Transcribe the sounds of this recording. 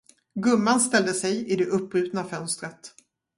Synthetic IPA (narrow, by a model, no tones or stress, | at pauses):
ɡɵmːanst̪ɛld̪əsɛjɪd̪ɛʔɵpːɾʉ̟ːt̪nafœnst̪ɾət̪